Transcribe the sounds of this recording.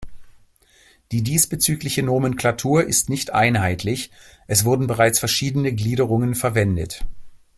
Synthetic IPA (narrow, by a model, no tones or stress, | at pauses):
d̥iːdiːsb̥ət͡syːklɪçənoːmənkl̥atʰuːɐʔɪstnɪçtʔa̰ɪnɦaɪtʰlɪçʔɛsv̥ʊɐdn̩bəʁaɪt͡sfɛɐʃiːdənəɡliːɾəʁ̞ʊŋənfɛɐvɛndət